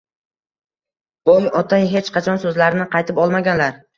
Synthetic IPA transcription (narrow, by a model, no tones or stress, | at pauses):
bomɒt̪ʰajɦe̞t͡ʃqʰɑt͡ʃʰɒnsɵzlaɾɪnɪqɑjt̪ʰɪpɒlˠmaɡʲanlaɾ